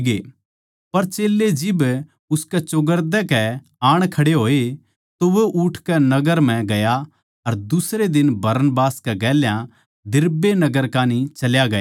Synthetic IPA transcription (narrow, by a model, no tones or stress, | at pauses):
ɡe | pɐɾt͡ʃeːlːed͡ʒɪb | ʊskɛt͡ʃʊɡəɾd̪ɛkɛ | aːɽ̃kʰɐɽeɦoːe | t̪oʋoʔʊʈʰkɛnɐɡəɾm̤ɛ̃ɡɐja | ɐɾd̪ʊsɾed̪ɪnbɐɾənbaːskɛɡɛːljã | d̪ɪɾbenɐɡəɾkaːnit͡ʃɐljaɡɐ